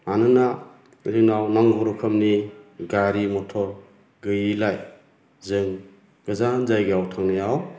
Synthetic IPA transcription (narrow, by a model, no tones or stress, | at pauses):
anɯna | ɾinawnaŋɡɔɾɔkʰəmniɡaɾimɔtʰɔɾ | ɡɯjilaj | zɯŋ | ɡ̥ɯzanzajɡawtʰaŋnajaw